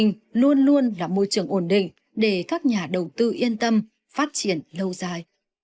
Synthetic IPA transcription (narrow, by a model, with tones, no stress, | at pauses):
ŋ̟ | lu˧ənlu˧ənlaː˨˩mo˧jt͡ɕɨ˨˧˩əŋʔo˧˩nɗḭ̈˧˨ŋ̟ | ɗe˧˩kaː˦˥k̚ɲaː˨˩ɗə˨˩wt̪ɨ˧ʔi˧ənt̪ə˧m | faː˦˥t̚t͡ɕi˧˩ənlə˧wzaː˧j